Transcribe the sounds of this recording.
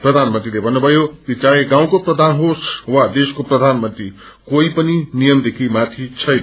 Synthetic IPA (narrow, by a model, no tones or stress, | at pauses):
prʌd̪ʱanmənt̪rilebʱʌnːubʱʌjokit͡sajeɡãw̃koprʌd̪ʱanɦoswad̪eskoprʌd̪ʱanmʌnt̪ɾi | koipʌninijʌmd̪ekʰimat̪ʰit͡sʰʌjn